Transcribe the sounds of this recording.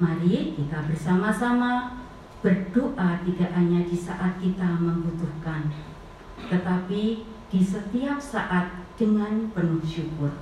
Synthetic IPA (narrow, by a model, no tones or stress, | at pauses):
maɾik̪ik̪abərsamasama | b̥ərdoʔat̪idaʔɦaɲadisa̰ʔat̪̚kit̪aməmbut̪ʊhkan | t̪ət̪api | d̥isət̪iap̚saʔat̪̚d̥əŋanpənuhʃukʊr